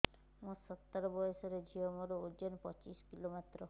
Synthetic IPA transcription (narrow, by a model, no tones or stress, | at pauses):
mũsɔt̪ːɔɾɔbɔjɔsɔɾed͡ʒʱiɔmɔɾood͡ʒɔnpɔt͡ʃiskilomet̪ɾɔ